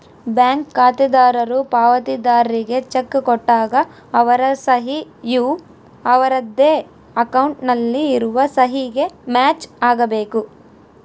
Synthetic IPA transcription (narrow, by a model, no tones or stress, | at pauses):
bjaːŋkːaːt̪id̪aːɾɐɾupaːʋɐt̪id̪aːɾɾiɡe̞t͡ʃekːkɔʈːaːɡɐː | ʋɐɾɐsɐɦijuː | ɐʋɐɾɐd̪ːeː | ɐkɐwɳʈnɐlːiːɾuʋɐsɐɦiɡe̞maːt͡ʃaːɡɐbe̞ːku